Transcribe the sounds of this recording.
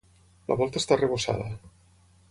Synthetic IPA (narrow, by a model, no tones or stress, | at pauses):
lə̰βɔlˠt̪əːst̪areβosa̰ðə